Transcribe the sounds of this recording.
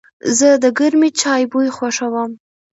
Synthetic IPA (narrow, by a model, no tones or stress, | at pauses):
zəd̪əɡəɾmit͡ʃɑjbujxwaʂawəm